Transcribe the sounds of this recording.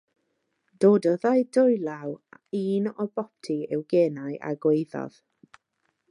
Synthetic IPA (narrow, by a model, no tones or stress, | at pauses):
d̥oːdɔðajdʊjlˠawiːnɔbɔp̚tʰiɛwɡeːnajʔa̰ɡwejðɔ̰ð̥